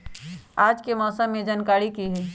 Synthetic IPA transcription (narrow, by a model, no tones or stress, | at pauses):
aːd͡ʒkemɔːsəmːed͡ʒaːnkaːɾikiɦɛ